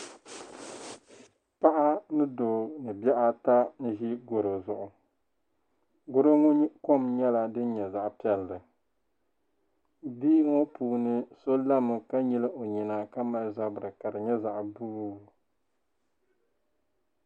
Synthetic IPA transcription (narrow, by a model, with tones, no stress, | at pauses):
pa˦ʔa˦nɨ˦doː˨nɨ˨bɛ˦ʔa˦ta˦n̩˦ʒi˦ɡo˨ɾo˨zʊ˨ʔʊ˨ | ɡʊ˦ɾo˦ŋo˦ko˦mɲɛ˦la˨dɨ˦n˦ɲɛ˨za˨ʔpi˨˦ɛ˨ldɨ˨ | di˦ŋo˦puː˨nɨ˦so˦la˦mɨ˨ka˦ɲi˦lɨ˦ʔo˨ɲi˨na˨ka˦ma˨lza˦bɨ˨ɾɨ˨ka˨dɨ˨ɲɛ˦za˨ʔbu˦˨